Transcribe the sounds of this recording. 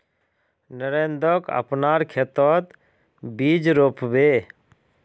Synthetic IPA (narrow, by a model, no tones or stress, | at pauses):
nəɾend̪ɔkə̰pnaːɾkʰet̪ɔt̪ | bid͡ʒɾopʰbe